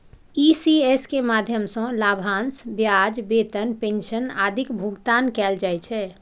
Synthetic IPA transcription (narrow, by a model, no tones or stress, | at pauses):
isieskemad̪ʱjəmsə̃labʱaːnsbjad͡ʒbet̪ənpẽnʃəna̰ːd̪ʱikbʱuɡt̪ankɛld͡ʒajt͡ʃʰɛ